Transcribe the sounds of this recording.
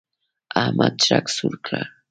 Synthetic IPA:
amʔat͡ʃɾaksʊɾkʰa

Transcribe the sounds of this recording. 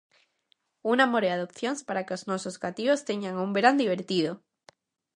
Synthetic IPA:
unamoɾeaðo̞pθjo̞nspaɾakeoznosozɣat̪io̞st̪eɲɡaŋumbeɾand̪iβe̞ɾt̪ið̞o

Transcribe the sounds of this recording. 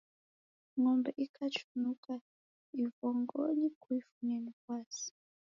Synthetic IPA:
ŋɔmbɛʔikʰat͡ʃunuka | ivɔŋɡɔnikuifuɲamifasi̥

